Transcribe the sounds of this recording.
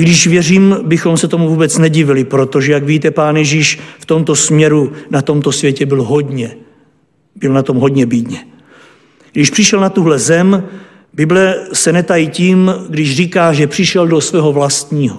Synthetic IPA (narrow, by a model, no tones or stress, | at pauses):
ɡdɪʃvjɛriːmbɪxo̞msɛt̪o̞muvuːbɛt͡snɛɟɪvɪlɪpɾo̞t̪o̞ʒɛjaɡviːt̪ɛpaːnjɛʒiːʃft̪o̞mt̪o̞smɲɛɾunat̪o̞mt̪o̞svjɛcɛbɪlɦo̞dɲɛ | bɪlnat̪o̞mɦo̞dɲɛbɪd̪ɲɛ | ɡdɪʃpr̝̥ɪʃɛlnat̪uɦlɛzɛm | bɪblɛsɛnɛt̪ajiciːmɡdɪʃriːkaːʒɛpr̥ɪʃɛldosvɛːɦo̞vlast̪ɲiːɦo